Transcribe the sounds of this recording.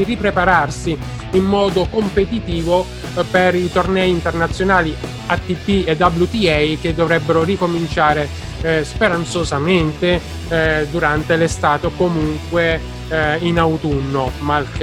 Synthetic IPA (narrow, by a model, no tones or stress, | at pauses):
iripɾepaɾarsi | imːɔːd̪okompet̪it̪iːvo | peɾit̪ornɛjint̪ernat̪sːjonaːli | at̪ːipːied̪ablut̪iɛjked̪ːovɾɛbːeɾorikomint͡ʃaːɾe | speɾant̪sozament̪e | d̪uɾant̪elest̪aːt̪okomuŋkwe | inawt̪unːomalk